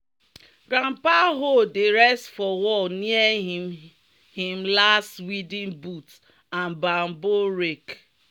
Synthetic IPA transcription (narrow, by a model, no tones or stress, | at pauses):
ɡ̥ɾãmpaɦodeɾɛstfɔwɔlniɛ | hĩm̩lastwidĩnbut | ãnbam̩boɾek